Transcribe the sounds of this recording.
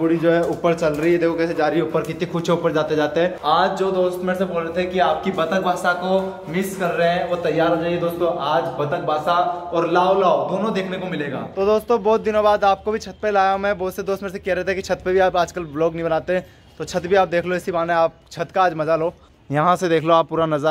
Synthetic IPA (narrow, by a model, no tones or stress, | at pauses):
bʊɽid͡ʒoːɦɛuːpːəɾt͡ʃɐlɾəɦiɦɛd̪eːkʰokɛːsed͡ʒaːɾiʊpːəɾkɪt̪nĩxʊt͡ʃʰeupəɾd͡ʒaːt̪ed͡ʒaːt̪eɦɛ̃ːaːd͡ʒd͡ʒoːd̪oːst̪meːɾseboːlɾet̪ʰeɛkiaːp̚kibɐt̪əkbʱaːsako | mɪskɐɾːəɦɛ̃ɔːɾt̪ɐjːaːɾɦoːd͡ʒaːied̪oːst̪õʔaːd͡ʒbɐt̪ək̚bʱaːsaɔːɾlaːolaːod̪oːnõd̪eːkʰnekomɪleːɡa̰ːt̪od̪oːst̪õbɔːt̪̚d̪ɪnõbaːd̪aːp̚kobʱit͡ʃʰɐt̪̚pelaːjamɛ̃bɔːt̪sed̪oːst̪meːɾsekɛɦɾɛɦt̪eɛkit͡ʃʰɐt̪pebʱiaːpaːd͡ʒkəlbloːɡnibɐnaːt̪eɦɛ̃ː | t̪ot͡ʃʰɐt̪bʱiaːp̚d̪eːkʰloɪsibaːnẽaːp̚t͡ʃʰɐt̪kaaːd͡ʒmɐzaloː | jɐɦãsed̪eːkʰloaːpːuːɾanɐzə